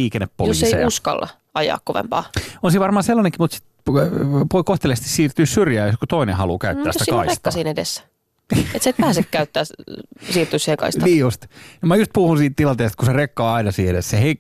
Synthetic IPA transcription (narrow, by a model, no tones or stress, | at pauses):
iːkeneppojosːesiʔuskɑ̰lːɑ̰ | ɑjɑ̰ːkkoʋḛmpɑ̰ːonsiʋɑrmɑːselːɑneŋkimut̪si̥t̪ | ʋoikoht̪elest̪i̥ssiːrt̪yːssyrjæːjskut̪oinehɑlṵkæytt̪ːæːst̪ːikɑirsetk̪ːɑsiːnedḛsː | ḛt̪seːt̪æːsekkæyt̪ːæːsiːrt̪ysihekɑ̰ist̪ɑniːjust̪nmɑjust̪̚puhunsiːt̪t̪ilɑnt̪eːst̪̚kuserekːɑːɑinɑsiːedessehei